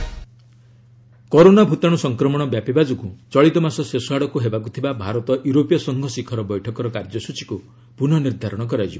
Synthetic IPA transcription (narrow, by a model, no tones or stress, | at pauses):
kɔɾonabʱut̪aɽ̃ɔsɔŋkɾɔmɔɽ̃ɔbjapibad͡ʒɔkut͡ʃɔɭit̪ɔmasɔsesɔɦaɽɔkuɦebakut̪ʰibabʱaɾɔt̪ɔʔjuɾopijɔsɔŋɡʱɔsikʰɔɾɔbɔjʈʰɔkɔɾɔkaɾd͡ʒɔsut͡ʃi̥ku | punɔniɾd̪ʱaɾɔɽ̃ɔk̬ɔɾad͡ʒibɔ